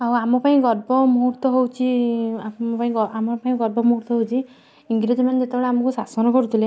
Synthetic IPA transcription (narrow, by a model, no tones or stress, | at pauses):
auamɔpaĩɡɔɾbɔmuɦuɾt̪wɔɦowt͡ʃʰiapaĩɡɔamɔpaĩɡɔɾbɔmuɦuɾt̪ɔɦowt͡ʃʰi | iŋɡɾed͡ʒɔmaneet̪ebɔɭeamɔkusasɔnɔkɔɾut̪ʰile